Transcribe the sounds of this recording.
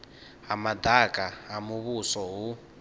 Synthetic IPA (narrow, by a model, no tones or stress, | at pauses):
ɦamad̪akʼaɦamuβusɔɦu